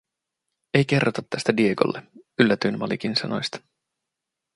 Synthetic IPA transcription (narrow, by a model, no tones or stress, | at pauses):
e̞jk̟e̞rːot̪ɑt̪ːæst̪ædie̞ko̰lːeylːæt̪ynmɑ̰lḭk̟insɑno̞̰jst̪ɑ̥